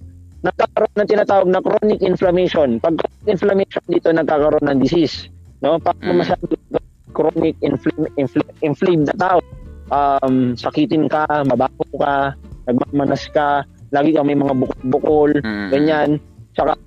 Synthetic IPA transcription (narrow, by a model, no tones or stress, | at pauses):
nɐɡ̚kaːkɐɾoʔnɐŋt̪ɪnaːt̪aːwɐɡ̚nɐkɾonɪk̚ʔɪnflɐmɛjʃo̞npɐɡ̚kɾonɪk̚ʔɪnflɐmɛjʃond̪iːt̪o̞nɐɡ̚kaːkɐɾoʔnːɐŋd̪ɪsisno̞paːɾɐmɐmɐsaːd̪okkɐ | kɾonɪk̚ɪnflmɪnflʔɪnflejb̚nɐt̪aːʔoʔamsɐkiːt̪ɪnkamɐbaːhokanɐɡ̚maːmɐnɐskalaːɡɪkɐmɐjmɐŋabʊkol̚bʊkolɡɐɲan | t͡ʃɐka